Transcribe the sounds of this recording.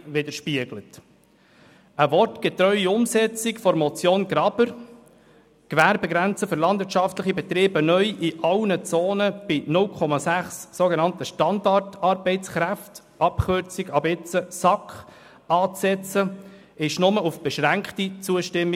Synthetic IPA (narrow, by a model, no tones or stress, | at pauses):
ʋɪdəʃpiəɡlət | əʋɔrtɡ̥ɛtɾœʏiʊmsɛt͡sikfɔɾmɔt͡sjoːnɡɾɑbəɾ | kʋæɾbɛɡɾænt͡səfʏɾlɑnd̥̪vɪɾtt͡ʃɑftləχibɛt̪ɾeːb̥ənœʏʔiʔɑlnət͡soːnəb̥ɪnʊlkʰɔmɑsæχssoɡenɑntəʃtɑndɑrtɑɾbɛɪt͡sχɾæft | ʔɑpχʏɾt͡siɡɑbɪt͡səsɑkχ | ɑːt͡sɛt͡sə | ɪʃnʊməufb̥ɛʃɾæŋkχtit͡suəʃtɪmːi